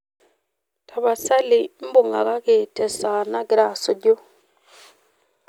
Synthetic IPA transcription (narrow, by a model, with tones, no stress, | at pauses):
tʰa˨βa˨sa˦lɪ˨m̩˦bʊ˨ŋa̰˨ɣa˦ke˨tɛ˨saː˨na˦ɡɪ˨ɾa˦˨sʊ˨ɟo˦